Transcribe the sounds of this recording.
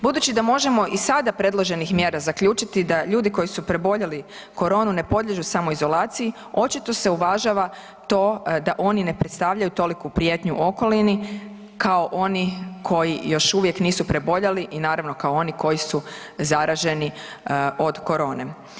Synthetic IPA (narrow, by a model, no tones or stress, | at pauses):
bud̪uːt͡ɕid̪amo̞ʒe̞mo̞ʔisad̪apɾe̞d̪lˠo̞ʒe̞nixmje̞ːɾazakʎuːt͡ʃit̪id̪aʎuːd̪iko̞jisupɾe̞bo̞ʎali | ko̞ɾo̞ːnune̞po̞d̪lʎeʒusamo̞izo̞laːt̪siji | o̞t͡ʃit̪o̞se̞uʋaʒaʋa | t̪o̞ːd̪aʔo̞nine̞pɾet̪st̪aːʋʎajut̪o̞likupɾije̞t̪ɲuʔo̞ko̞lini | kao̞ʔonikʰo̞jijo̞ʃuʋjekniːsupɾe̞bo̞ʎaliʔinaːɾaʋno̞kaoo̞niko̞jisu | zaɾaʒe̞ni | o̞d̪ko̞ɾo̞ːne̞